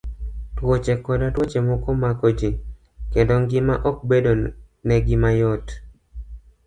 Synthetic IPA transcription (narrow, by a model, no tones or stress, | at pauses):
twot͡ʃekɔdatwot͡ʃemɔkomakod͡ʒi | kendoŋɡɪmaʔɔk̚bedo | nɛɡɪmajɔt